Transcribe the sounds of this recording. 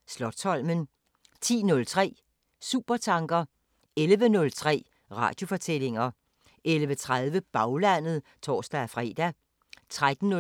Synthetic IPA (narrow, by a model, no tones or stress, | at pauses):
slɒ̽d̥sɒ̽l̰mən | t͡sʰḭːnɔ̽lt͡sʰʁɛ̰ː | sṵːb̥ɐt͡sʰɑ̈ŋɡ̥ɐ | elʋənɔ̽lt͡sʰʁɛ̰ː | ʁɑ̰̈ːd̥jo̝fɒ̽t͡sʰel̰e̝ŋɐ | ʔelʋət͡sʰʁað̞ˠʋəb̥ɑ̈ʊlæn̰ð̞̩ˠt͡sʰɒ̰ːsd̥æfʁɛ̰ːd̥æ | t͡sʰʁad̥n̩nɔ